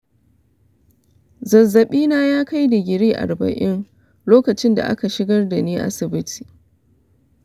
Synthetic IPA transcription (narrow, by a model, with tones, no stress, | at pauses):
zɐ˨zːɐ˨ɓiː˦naː˦jaː˦ka˦jda˨ɡʲɪ˨ɽiː˦ʔa̰˨rbɐ̰˨ʔɪ˦n | loː˦kɐ˨t͡ʃɪ˦nda̰˨ʔa̰˦ka˨ʃɪ˦ɡɐ˦rda˨niː˦ʔa̰˦sɪ˨bɪ˦tʰi̥ː˨